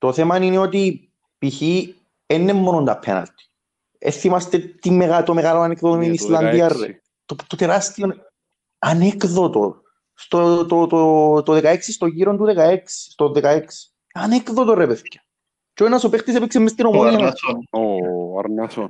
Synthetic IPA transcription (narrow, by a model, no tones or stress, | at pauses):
t̪o̞θemanineot̪i | piçi | enːemːonond̪ɐpʰːḛnɐ̰lt̪i̥ | ḛθimast̪et̪imːeɣat̪omeɣaloanekðot̪ominisland̪iarːḛ | t̪ot̪ot̪eɾast̪ion | anekðot̪o̰ | st̪ot̪ot̪ot̪oðekaeksist̪oʝiɾond̪uðekaeksi̥st̪oðekaeksi̥ | anekðot̪orepeθcɐ̥ | t͡ʃoinɐsopext̪is̬epiksemːist̪inomoninoa̰ɾnɐson